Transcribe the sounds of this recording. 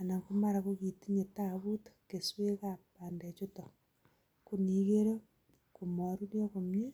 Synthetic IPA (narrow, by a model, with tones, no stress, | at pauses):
a˨na˨kuma˦ɾa˨koɣi˨ti˦ɲe˨taβu˦tke˨swe˦kapa˨nde˨t͡ʃu˦to˨ | ku˦ni˨ɣe˦ɾo˦ | ku˨mo˨ɾuɾjokomje˦